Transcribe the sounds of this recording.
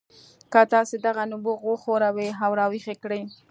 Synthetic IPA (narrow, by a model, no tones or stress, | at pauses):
kat̪ɑsed̪aɣanʊboɣoxoɾaweɦawɾɑwixekɽəj